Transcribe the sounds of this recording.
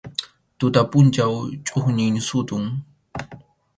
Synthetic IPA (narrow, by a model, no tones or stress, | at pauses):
t̪ʊt̪apʊnt͡ʃawt͡ʃʼʊχɲɪŋsʊt̪ʊŋ